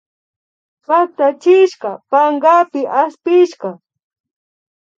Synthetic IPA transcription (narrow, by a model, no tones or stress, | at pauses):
pat̪at͡ʃɪʃɢɑpaɴɢapɪʔaspɪʃɢɑ